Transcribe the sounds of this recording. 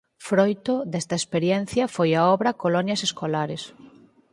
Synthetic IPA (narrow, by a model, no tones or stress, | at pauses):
fɾojt̪ʊd̪ɛst̪ɐespeɾjɛn̟θjɐfojaɔβɾɐkolɔnjɐseskolaɾes